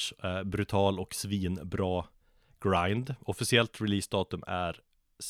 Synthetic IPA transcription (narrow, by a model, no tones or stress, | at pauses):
bɾɵt̪ʰɑːlɔksviːnbɾɑː | ɡ̥ɾajnd̪ɔfɪsɪɛlt̪ɾɪliːsd̪ɑːt̪ɵmæɾ | s